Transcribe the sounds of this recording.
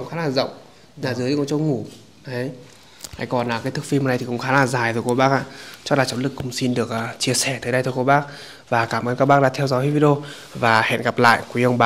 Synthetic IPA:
ŋ͡mxaː˨˦laː˨˩zə̰˧˨wŋ͡m | laː˨˩zɨ˨˦jkɔ˧˦t͡ɕə˧wŋ͡mŋu˧˩ | ɗə˨˦j | ha̰˧˨jkɔ˨˩nlaː˨˩kaː˨˦jt̪ʰɨ˨˩k̚fi˧m˨˩na˧jt̪i˨˩kʊ̰˧˥ŋ͡mxaː˨˦laː˨˩zaː˨˩jt̪o˨˩jko˧˦ɓaː˦˥k̚ʔa̰ː˧˨t͡ɕɔ˧˥la˨˩t͡ɕɔ˨˦nlɨ˨˩kːʊ̰˧˩˦ŋ͡msi˧nɗɨ˨˩ək̚ːt͡ɕi˧əsɛ˧˩t̪ʰəː˨˦jɗə˧jt̪ʰjko˧ɓaː˦˥k̚ | vaː˨˩kaː˧˩mʔəː˨˧˦nkaː˦˥k̚ɓaː˦˥ɗaː˧t̪ʰɛ˧wzɔː˨˦jhi˧˦vi˧˦ɗo˧ | vaː˨˩hḛ˧˨nɣa˨˩p̚la̰ː˧˨jkwʔə˧ŋ͡mɓaː˨˦

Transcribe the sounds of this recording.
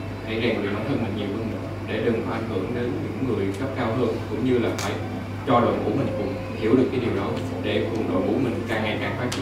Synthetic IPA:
ʔa̰˧˩jzaː˨˩ŋɨ˨˩jɗa˨˦wt̪ʰə˧mï˨˩ŋ̟ɲi˨˩əwhə˧m˨˩ŋ | ɗe˧˩ɗɨ˨˩ŋka˧˩ʔa˧˩jŋ̟hɨ̰˧˩ə˨ŋɗəː˨˦nɲɨ̰˧˥ŋːɨ˨˩əjkə˦˥p̚kaː˧wɦəː˧nkʊ̰˧˥ŋ͡mɲɨ˧laː˨˩fa̰ː˧˩j | t͡ɕɔ˧lwə̰˧˨ku˧˩əmï˨˩ŋ̟kʊ̰˧˥ŋ͡m | hi˧˩əwɗɨ˨˩kːaː˨˦jɗi˨˩əwɗɔ˨˦ | ɗe˧˩knɗo̰˧˦nku˧˩əmï˨˩ŋ̟kaː˨˩ŋaː˨˩jkaː˨˩ŋfaː˦˥t̚t͡ɕ

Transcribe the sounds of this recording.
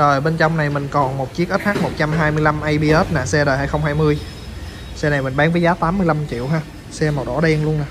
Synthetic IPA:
zoː˨˩jɓe˧nt͡ɕa˧wŋ͡mna˨˩jmï˨˩ŋ̟kɔ˨˩nmo˨˩t̚t͡ɕi˦˥ək̚ʔə˦˥t̚haː˦˥k̚mo˨˩t̚t͡ɕa˧mɦaː˧jmɨ˧jla˧mʔə˧jɓi˧ʔəː˦˥t̚naː˨˩sɛ˧ɗəː˨˩jha̰˧˥jxə˧wŋ͡mhaː˧jmɨ˧əj | sɛ˧na˨˩jmï̟˨˩ɓaː˨˦nvə˨˦jzaː˨˦t̪aː˨˦mːɨ˧əjla˧mt͡ɕḭ˧˨əwɦaː˧ | sɛ˧ma˨˩t̚ɗɔ̰˧˩ɗɛ˧nlu˧ənaː˨˩

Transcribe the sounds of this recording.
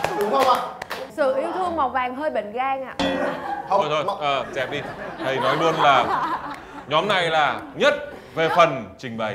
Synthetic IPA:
ɗʊ˨˦ŋ͡mhə˧wŋ͡ma˧˩sɨ̰˧˨ʔi˨˦wt̪ʰɨ˧əŋma˨˩wvaː˨˩ŋɦəː˧jɓḛ˧˨ŋ̟ɣaː˧ŋʔa̰ː˧˨˧ | t̪ʰo˧ʔəː˨˩zɛ˧˩p̚ɗi˧t̪ʰə˨˩jnɔ˨˦jlɨ˧ənlaː˨˩ | ɲɔ˨˦mna˨˩jlaː˨˩ɲə˦˥t̚ | ve˨˩fə˨˩nt͡ɕï˨˩ŋ̟ɓə˨˩j

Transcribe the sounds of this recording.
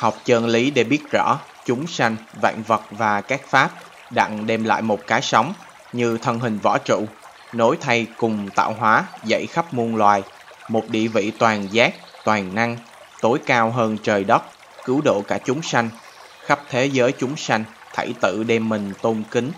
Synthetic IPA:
ha˨˩wk͡p̚t͡ɕəː˧nli˨˦ɗe˧˩ɓi˦˥ət̚zɔ̰˧˩ | t͡ɕʊ˨˦ŋ͡msa˧jŋ̟va̰˧˨ŋvə˨˩t̚vaː˨˩kaː˦˥k̚faː˦˥p̚ | ɗa̰ː˧˨ŋɗɛ˧mla̰ː˧˨jmo˨˩t̚kaː˨˦jsa˨˦wŋ͡m | ɲɨ˧t̪ʰə˧nɦï˨˩ŋ̟vɔ̰˧˩t͡ɕṵ˧˨ | no˨˦jt̪ʰa˧jkʊ˨˩ŋ͡mt̪a̰ː˧˨wɦwaː˨˦zə̰˧˨jxa˦˥p̚mu˧ənlwaː˨˩j | mo˨˩t̚ɗḭ˧˨əvḭ˧˨t̪waː˨˩nzaː˦˥k̚t̪waː˨˩ŋna˧ŋ | t̪o˨˦jkaː˧wɦəː˧nt͡ɕəː˨˩jɗə˦˥t̚ | kɨ˨˦əwɗo̰˧˨kaː˧˩t͡ɕʊ˨˦ŋ͡msa˧jŋ̟ | xa˦˥p̚t̪ʰe˨˦zəː˨˦jt͡ɕʊ˨˦ŋ͡msa˧jŋ̟ | t̪ʰə̰˧˩jt̪ɨ̰˧˨ɗɛ˧mːï˨˩ŋ̟t̪o˧mkï˨˦ŋ̟

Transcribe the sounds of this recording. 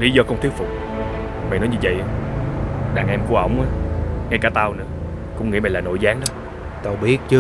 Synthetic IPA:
li˨˦zɔ˧kɔ˧ŋ͡mt̪ʰi˦ət̚fʊ˨˩k͡p̚ | ma̰˨jnɔ˨˦jɲɨ˧və̰˧˨jʔa˨˧ | ɗaː˨˩ŋʔɛ˧mku˧ʔə˧˩wŋ͡mʔaː˨˦ŋa˧jkaː˧˩t̪aː˧wnɨ̰˧˥ə | kʊ̰˧˥ŋ͡mŋḭ˧˥ma̰˨˩laː˨˩no̰˧˨jzaː˨˦ŋɗɔ˨˦ | t̪o˨˧˩wɓi˦˥ət̚t͡ɕɨ˧

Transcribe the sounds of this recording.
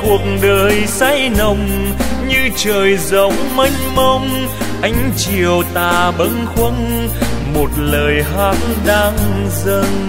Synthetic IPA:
ku˨˩ək̚ŋɗəː˨˩jsa˧˥jnə˨˩wŋ͡mɲɨ˧t͡ɕəː˨˩jzə˨˦wŋ͡mma˧jŋ̟mə˧wŋ͡m | ʔa˧˦jŋ̟t͡ɕi˨əwt̪aː˨˩ɓə˨˦nxwə˧˦˥n | mo˨˩t̚ləː˨˩jɦaː˧˦˥nɗaː˧ŋzə˧n

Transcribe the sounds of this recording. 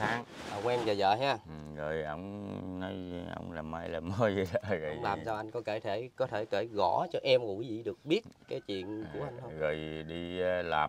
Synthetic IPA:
t̪ʰaː˨˦ŋ | aː˨˩kwɛ˧mzəː˨˩zə̰ː˧˨ɦaː˧˨˩ɣəː˨˩jʔə˧wŋ͡mnɔ˨˦jʔə̰˧wŋ͡mlaː˨˩ma˧jlaː˨˩məː˧˦jzə˨˩la˧˨˩ɣə˨˧˩ŋ͡mlaː˨˩msaː˧wʔa˧jŋ̟kɔ˨˦ke˧˩t̪ʰe˧˩kɔ˨˦t̪ʰe˧˩ke˧˩ɣɔ˧˩˥t͡ɕɔ˧ʔɛ˧mkɔ˨˩wi˨˦zḭ˧˨ɗɨ˨˩ək̚ɓi˦˥ət̚kaː˨˦jt͡ɕwḭ˧˨ənt͡ɕu˧˩əʔa˧jŋ̟hʰə˧ɣəː˨˩jɗi˧˦laː˨˩m

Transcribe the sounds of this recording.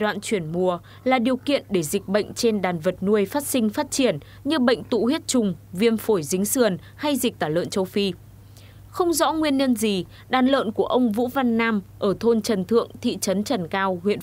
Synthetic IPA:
ɗwa̰ː˧˨nt͡ɕwi˧˩ənmu˨˩ə | laː˨˩ɗi˨˩əwkḭ˧˨ənɗe˧˩zi˨˩k̟̚ɓə̰˧˨jŋ̟t͡ɕe˧nɗaː˨˩nvə˨˩t̚nu˧əjfaː˦˥t̚sï˧ŋ̟faː˦˥t̚t͡ɕi˧˩ən | ɲɨ˧ɓə̰˧˨jŋ̟t̪ṵ˧˨hwi˦˥t̚t͡ɕʊ˨˩ŋ͡mvi˧ənfo˧˩jzi˨˦ŋ̟sɨ˧˨˩ən | ha˧jzi˨˩k̚t̪aː˧˩lə̰ː˧˨nt͡ɕə˧wfi˧ | xə˧wŋ͡mzɔ̰˧˥ŋwi˧ənɲə˧nzi˨˩ | ɗaː˨˩nlə̰ː˧˨nku˧˩əʔə˧wŋ͡mvṵ˧˥va˧nːaː˧mʔəː˧˩t̪ʰo˧nt͡ɕə˨˩nt̪ʰɨ̰˧˨əŋt̪ʰḭ˧˨t͡ɕə˨˦nt͡ɕə˨˩nkaː˧wɦwḭ˧˨ən

